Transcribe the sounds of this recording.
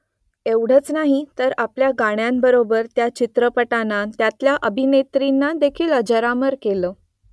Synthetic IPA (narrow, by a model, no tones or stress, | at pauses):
ewɽ̤ət͡snaɦit̪əɾapljaɡaɳ̃jambəɾobəɾt̪jat͡ɕit̪ɾəpəʈanat̪jat̪ljaʔəbʱinet̪ɾinːad̪ekʰiːləd͡ʑəɾaməɾkeləː